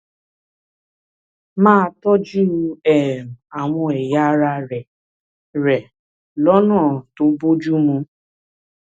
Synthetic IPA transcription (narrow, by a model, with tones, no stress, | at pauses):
mãː˦tɔ˦d͡ʒu˦˧˦ɛ˨m˨a˨w̃ɔ̃˧ɛ˨ja˦ɾa˧ɾɛ˨ | ɾɛ˨ | lɔ˦nãː˦˨to˦bo˦d͡ʒu˦mũ˧